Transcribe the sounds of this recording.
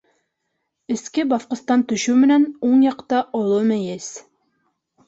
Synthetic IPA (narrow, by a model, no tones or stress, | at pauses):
ɪ̆skʲɪbɑfqɤ̆st̪ɑnt̪ɵʃʉmɘ̆nænoɴjɑqt̪ɑʔolˠɤmæjes